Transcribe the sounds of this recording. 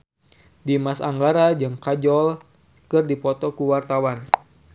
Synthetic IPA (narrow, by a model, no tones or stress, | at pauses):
dimasaŋɡaɾad͡ʒɨŋkad͡ʒɔl | kɨrdipɔt̪ɔkuwart̪awan